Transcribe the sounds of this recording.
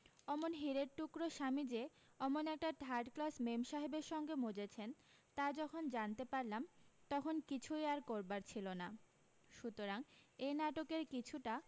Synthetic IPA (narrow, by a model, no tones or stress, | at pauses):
ɔmonɦiɾeɾʈukɾoʃamid͡ʑe | ɔmonɛk̚ʈaɖʱaɾɖklasmemʃaɦebeɾʃɔŋɡemod͡ʑet͡ɕʰen | t̪ad͡ʑɔkʰond͡ʑant̪epaɾlamt̪ɔkʰonkit͡ɕʰujaɾkoɾbaɾt͡ɕʰilona | ʃut̪oɾaŋenaʈokeɾkit͡ɕʰuʈa